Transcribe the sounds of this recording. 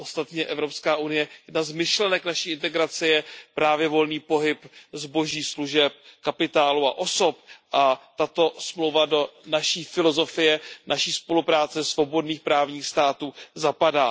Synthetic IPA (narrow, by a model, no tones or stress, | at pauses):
ʔost̪at̪ɲɛʔɛvɾo̞pskaːʔunɪjɛjɛdnazmɪʃlɛnɛknaʃiːɪnt̪ɛɡɾat͡sɪjɛpɾaːvjɛvo̞lniːpo̞ɦɪpzbo̞ʒiːsluʒɛp̚kapɪt̪aːlua̰ʔo̞so̞pʔat̪at̪o̞smlowvado̞naʃiːfɪlo̞zo̞fɪjɛnʔaʃiːspo̞lupɾaːt͡sɛsvo̞bo̞dniːxpɾaːvɲiːxst̪aːt̪uːzapadaː